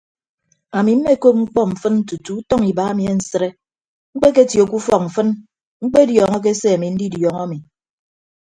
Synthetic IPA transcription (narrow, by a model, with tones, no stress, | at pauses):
a˨mi˨m̩˦me˦ko˦p̚ŋ͡m̩˦k͡pɔ˦m̩˨fɨ˦nn̩˦tu˨tu˨u˦tɔ˦ŋi˨ba˨˦a˦mi˨e˦n̩˨sɨ˦ɾe˦ | ŋ͡m̩˦k͡pe˦k̬e˦tjo˨ku˦fɔ˦˨k̚m̩˨fɨ˦n | ŋ͡m̩˦k͡pe˦djɔː˨ŋɔ˦k̬e˦se˦a˨mi˨n̩˦di˦djɔ˨ŋa˦mi˨